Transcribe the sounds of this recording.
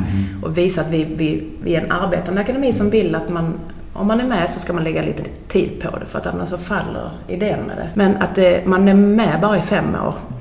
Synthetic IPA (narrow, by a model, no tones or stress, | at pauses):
ʔɔviːsaat̪vɪvɪvɪ̰æɾɛna̰ɾbeːt̪and̪əɛkʊnɛmiːsɔmvɪlːat̪man | ɔ̰mːanæɾmɛsɔskamanlɛɡːalḭːt̪ə | t̪ʰiːd̪̚pʰɔ̰d̪ɛfœɾa̰t̪a̰nːaʂɔfalːə̰ɾ | ɪ̰d̪eːənmɛ̰d̪ɛ̰mɛna̰t̪̚d̪ɛmanæɾmɛbɑːɾaɪfɛmːo̰ːɾ